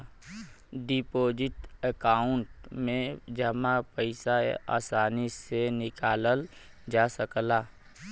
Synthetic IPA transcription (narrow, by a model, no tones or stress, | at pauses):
ɖipoːd͡ʒɪʈəkaːʊɳʈmẽd͡ʒəmãpəɪsaa̰ːsaːnisenɪkaːləl | d͡ʒaːsəklaː